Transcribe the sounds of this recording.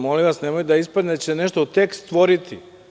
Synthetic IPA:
moliʋasnemojud̪aispad̪neat͡ɕeseneʃt̪ot̪e̞kst̪ʋo̞ɾit̪ʰi

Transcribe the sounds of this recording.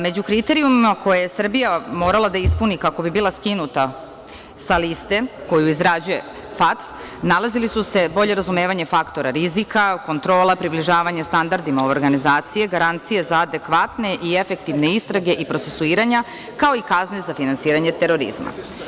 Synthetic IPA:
me̞d͡ʑukɾit̪e̞ɾiumimako̞jajesr̩bijamo̞ːɾalˠad̪aispunikako̞bibiːlˠaskinut̪a | salist̪e̞ko̞juizɾad͡ʑuje̞̰ | fat̪f | nalazilisuse̞bo̞ʎe̞ɾazume̞ːʋaɲefakt̪o̞ɾaɾizikako̞nt̪ɾo̞ːlˠapɾibliʒaːʋaɲast̪and̪aɾd̪imaooɾɡanizaːt̪sije̞ɡaɾant̪sije̞zaːd̪e̞kʋat̪ne̞ʔie̞fe̞kt̪iʋne̞ist̪ɾaɡe̞ʔipɾo̞t̪se̞suiːɾaɲa | kao̞ikazne̞zafinansiːɾaɲe̞t̪e̞ɾo̞ɾḭzma̰

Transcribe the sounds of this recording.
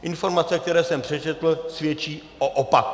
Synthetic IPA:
ʔɪnfo̞ɾmat͡sɛk̚t̪ɛɾɛːsɛmpr̥ɛt͡ʃɛt̪l̩svjɛt͡ʃiːʔoʔopak

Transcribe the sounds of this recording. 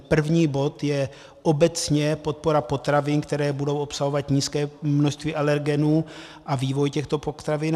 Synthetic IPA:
pr̩vɲiːbo̞t̪jɛ | ʔobɛt͡sɲɛpo̞t̪̚po̞ɾapo̞t̪ɾavɪnkt̪ɛɾɛːbudo̞wʔopsaɦo̞vat̪ɲiːskɛːmnoʃst̪viːʔalɛɾɡɛnuːʔaviːvo̞jcɛxt̪o̞pot̪ɾavɪn

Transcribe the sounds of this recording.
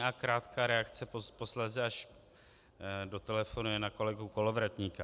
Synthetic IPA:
akɾaːt̪kʰaːɾɛakt͡sɛpo̞slɛzɛaʃ | do̞t̪ɛlɛfonujɛnako̞lɛɡuko̞lovɾat̪ɲiːka

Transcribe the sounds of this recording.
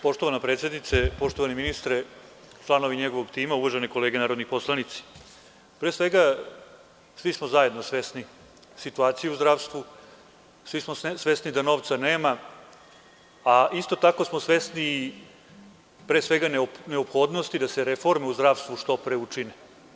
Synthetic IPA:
po̞ʂt̪oʋanapɾet̪sjed̪nit̪sepo̞ʂt̪oʋaniminist̪ɾe | t͡ʃlˠano̞ʋiɲeɡoʋoɡt̪iːmauʋaʒeniko̞leːɡenaːɾod̪nixpo̞slˠanit̪si̥ | pɾeːsʋe̞ɡa | sʋismozaed̪no̞sʋesni | sit̪uaːt̪sijeuzd̪ɾaʋst̪ʋu | sʋismosʋesnid̪ano̞ːʋt̪saneːma | aist̪o̞t̪ako̞smosʋesni | pɾesʋeɡanne̞opxo̞ːd̪nost̪id̪ase̞ɾefo̞ɾmeuzd̪ɾaʋst̪vuʂt̪o̞pɾeut͡ʂine

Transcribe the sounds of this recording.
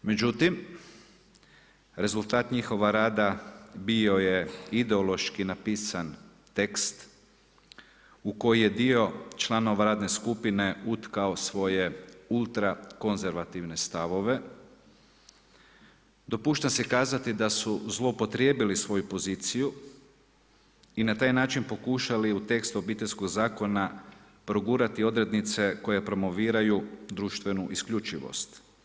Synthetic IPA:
me̞d͡ʒut̪im | ɾe̞zulˠt̪aːt̪ɲixo̞ʋaɾaːd̪abio̞je̞id̪eolˠo̞ʃkinapiːsan | t̪e̞kst̪ | uko̞jije̞d̪io̞t͡ʃlˠano̞ʋaɾaːd̪ne̞skupine̞ut̪kaosʋo̞je̞ulˠt̪ɾako̞nze̞ɾʋat̪iʋne̞st̪aʋo̞ʋe̞ | d̪o̞puːʃt̪asekaːzat̪id̪asuzlˠo̞upo̞t̪ɾjebilisʋo̞jupo̞ziːt̪siju | inat̪aːjnaːt͡ʃinpo̞kuʃaliut̪e̞kst̪o̞biːt̪eʎʲskoɡzaːko̞na | pɾo̞ɡuːɾat̪io̞d̪ɾe̞d̪nit̪se̞ko̞jepɾo̞mo̞ʋiːɾajud̪ɾuːʃt̪ʋe̞nuʔiskʎut͡ʃiʋo̰st̪

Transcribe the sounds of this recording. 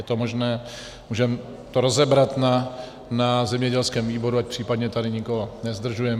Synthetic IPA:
jɛt̪omoʒnɛː | muːʒɛm | t̪oɾozɛbɾat̪na | nazɛmɲɛɟɛlskɛːmviːbo̞ɾuac̚pr̥iːpad̪ɲɛt̪adɪɲɪkoɦonɛzd̪r̩ʒujɛm

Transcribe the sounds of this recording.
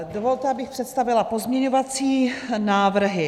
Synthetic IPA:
dovo̞lt̪ɛabɪxpr̝̥ɛt̪st̪avɪlapo̞zmɲɛɲo̞vat͡siːnaːvr̩ɦɪ

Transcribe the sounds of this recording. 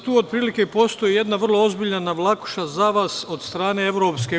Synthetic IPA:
t̪uːod̪̚pɾiːlike̞po̞st̪o̞jije̞d̪naʋər̩lˠoozbiːʎanaʋlˠaku̥ʃazaʋaːso̞d̪st̪ɾaːne̞e̞ʋɾo̞ːpske̞

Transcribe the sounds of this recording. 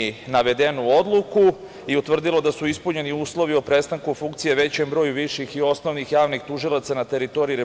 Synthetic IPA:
naʋe̞d̪e̞nuo̞d̪lˠuku | iut̪ʋr̩d̪ilˠo̞d̪asuispuɲe̞niuːslo̞ʋio̞pɾe̞st̪aŋkufuŋkt̪sijeʋe̞t͡ɕe̞mbɾo̞juʋiʃixio̞sno̞ʋnixjaːʋnixt̪uʒilˠat̪sanat̪e̞ɾit̪o̞ɾiiɾe

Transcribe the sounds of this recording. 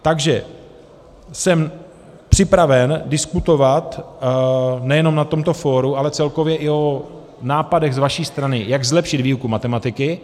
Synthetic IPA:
t̪aɡʒɛ | sɛm | pr̝̥ɪpɾavɛndɪskut̪o̞vat̪ | nɛjɛno̞mnat̪o̞mt̪o̞fo̞ːɾuʔalɛt͡sɛlko̞vjɛʔɪo̞ | naːpadɛɣzvaʃiːst̪ɾanɪjaɡzlɛpʃɪd̪viːukumat̪ɛmat̪ɪkɪ

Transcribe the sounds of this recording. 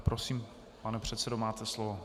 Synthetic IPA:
pɾʔosiːm | panɛpr̝̥ɛt̪sɛdomaːt̪ɛslovo

